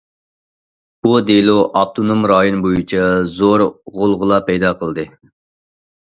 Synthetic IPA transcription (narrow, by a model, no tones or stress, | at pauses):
b̥ud̪eloʔɑp̚t̪ʰonomɾɑːjonbojit͡ʃʰɛzoɾʁolˠʁʊlˠɑpʰɛjd̪ɑqʰəlˠd̪ɨ